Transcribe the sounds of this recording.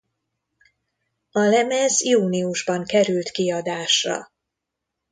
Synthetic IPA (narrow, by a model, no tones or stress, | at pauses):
ɒlɛmɛzjuːniuʒbɒŋkɛɾylt̪kiɒd̪aːʃrɒ̰